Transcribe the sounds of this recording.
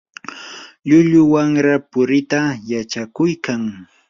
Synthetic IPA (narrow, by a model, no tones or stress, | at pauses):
ʎʊʎʊwaŋɾapʊɾɪt̪ajat͡ʃakʊjkaŋ